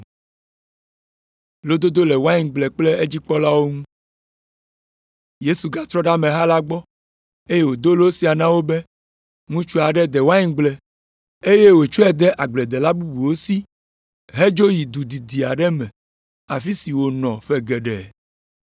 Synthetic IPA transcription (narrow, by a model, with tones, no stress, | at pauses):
lo˦d̪o˦d̪o˦lɛ˨wa˦ɲi˨ɡ͡blɛ˨k͡ple˦e˦d͡ʑi˦k͡pɔ˦la˦wo˦ŋũ˦ | je˦su˨ɡa˨t̪ɾɔ˦ɖa˦mɛ̃˨ɦa˦la˦ɡ͡bɔ˦ | e˦je˦wo˨d̪o˦lo˦si˨a˨nã˦wo˦bɛ˦ | ŋũ˦t͡ʃu˦a˨ɖɛ˦d̪ɛ˨wa˦ɲĩ˦ɡ͡blɛ˨ | e˦je˦wo˨t͡ʃu˦ɛ˦d̪ɛ˦ʔa˨ɡ͡blɛ˨d̪ɛ˨la˦bu˦bu˨wo˦si˦ | ɦe˦d͡ʒo˦ji˨d̪u˨d̪i˨d̪i˨a˨ɖɛ˦mɛ̃˨ | a˨fi˦si˨wo˨nɔ̃˨ɸɛ˦ɡɛ˨ɖɛ˨